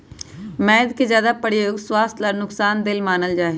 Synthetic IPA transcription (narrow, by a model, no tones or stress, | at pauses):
mɛ̃ːɪd̪kezjaːd̪aːpəɽioɡswaːst̪ʰləlnʊksaːnd̪ɪlmaːnəld͡ʒaːe